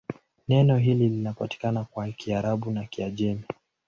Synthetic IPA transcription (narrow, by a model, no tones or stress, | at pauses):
nɛnɔɦililinapati̥kanakwakiaɾaɓunakiaʄɛmi